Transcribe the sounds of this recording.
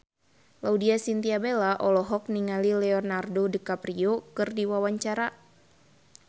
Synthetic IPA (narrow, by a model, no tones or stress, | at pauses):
laudiasint̪iabelaʔɔlɔɦɔk̚niŋalilɛɔnardodəkapɾiokɨrdiwawaɲt͡ʃaɾa